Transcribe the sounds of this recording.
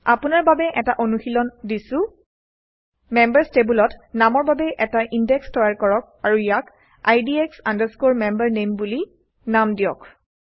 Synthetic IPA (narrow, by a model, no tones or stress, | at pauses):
apʊnaɹbabɛʔɛtaʔonuxilɔndisʊ̃ | mɛmbaɹstebulɔtnamɔɹbabɛʔɛtaʔindɛkstɔjaɹkɔɹɔk̚aɹujak | ajdieksandaɹskoɹmɛmbaɹnembuli | namdijɔk